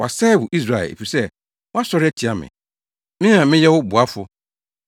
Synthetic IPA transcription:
wa˨sɛ˦wʊ˨ʔi˦s̬ɾa˨ɛ̰˨ḛ˨fi˨sɛ˦˨ | wɔ˦a˦sɔ˨˦ɾɪ˦ɛ˦tʰi˨a˨mɪ̰̃˨ | mɪ̃˦nã˨mɪ̃˦jɛ˦wʊ˦bʊ˨a˦fʊ˦

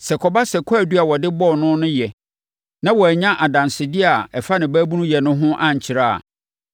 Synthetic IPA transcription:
sɛ˨kʰɔ˨ba˦sɛ˨kʰɔ˦æ˨du˦a˨wɔ˨dɪ˦bɔ˦˨nʊ̃˦nʊ̃˦jɛ˨ | nã˦wɔ˨ɛ˨ɲã˦ʔa˨dã˨nsɪ˨dɪ˦a˨ɛ˨fa˦nɪ̃˨bæː˦bu˦nũ˦jɛ˨nʊ̃˦ɦʊ̃˦ʔã˦ɲ˨t͡ɕʰɪ˨ɾa˦˨a̰˨

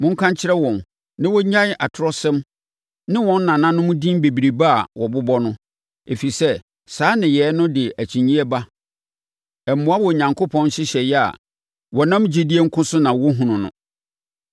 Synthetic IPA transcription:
mʊ̃˦ŋ̩˦kʰã˦ɲt͡ɕʰɪ˦ɾɛ˦wɔ̃˨n | nɪ̃˦wɔ˦ɲã˦ʔa˨tʰʊ˨˦ɾɔ˦sɛ̃˦m | nɪ̃˦wɔ̃˨n̩ː˦nã˨nã˦nʊ̃˦mʊ̃˦dĩ˦mbe˨bi˨ɾi˨ba˦a̰˨wɔ˨bʊ˦bɔ˦nʊ̃˦ | e˨fi˨sɛ˦ | saː˨˦nɪ̃˨jɛː˨˦nʊ̃˦dɪ˨ʔæ˨t͡ɕʰĩ˨ɲĩ˦ɛ˦ba˦ | ɛ˨m̩˨mʊ̃˦a˦wɔ˨ɲã˨ŋkʰʊ˦pʰɔ̃˦n˦ɕɪ˦ɕɛ˨jɛ˦a̰˨ | wɔ˨nã˦md͡ʑi˦di˦e˦ŋ̩˦kʰʊ̃˦sʊ˦nã˨wɔ˦ɦʊ̃˨nʊ̃˨nʊ̰̃˦

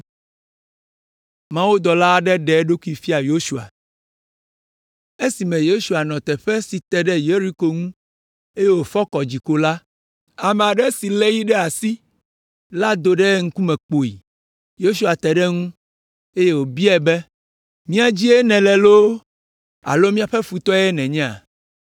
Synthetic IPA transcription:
mã˦wu˦d̪ɔ˨la˦ɖɛ˦ɖɛ˨˦ɖo˦ku˦i˦fi˦a˨jo˦ʃu˦a̰˨ | e˦si˨mɛ̃˨jo˦ʃu˨a˨nɔ̃˨t̪ɛ˨ɸɛ˦si˨t̪ɛ˨ɖɛ˦je˦ɾi˦ko˨ŋũ˦ | e˦je˦wo˨fɔ˦kɔ˨d͡ʑi˨ko˦la˦ | a˨mɛ˨a˨ɖɛ˦si˨lɛ˦ji˦ɖɛ˦a˨si˦ | la˦d̪o˨ɖɛ˦ŋ̩˦ku˦mɛ̃˨k͡po˨ḭ˨ | jo˦ʃu˦a˨t̪ɛ˨ɖɛ˦ŋũ˦ | e˦je˦wo˨bi˦ɛ˨bɛ˦ | mĩ˦a˨d͡ʑi˦e˦nɛ̃˨lɛ˨lo˦ | a̰˨lo˦mĩ˦a˨ɸɛ˦fu˨t̪ɔ˦ɛ˦nɛ̃˨ɲɛ̃˦a̰˨

